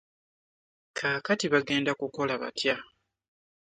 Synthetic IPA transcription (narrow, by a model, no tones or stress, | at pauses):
kʰaːkatiβaɡe̞ːndakuko̞laβa̰tja